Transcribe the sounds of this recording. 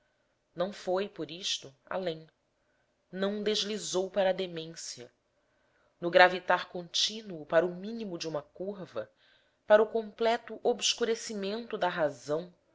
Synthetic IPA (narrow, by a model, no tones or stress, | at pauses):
nɐ̃w̃fojpoɾiʃt̪ʊa̰lẽj̃ | nɐ̃w̃d̪eʒlizowpaɾɐːd̪emẽsiɐ̰ | nʊɡɾavit̪aɾkõnt͡ʃinuʊpaɾʊmĩnimʊd͡ʒɪũmɐkuɾvɐ | paɾʊkõmplɛt̪ʊʔobʃkuɾesimẽnt̪ʊd̪ɐɦazɐ̃w̃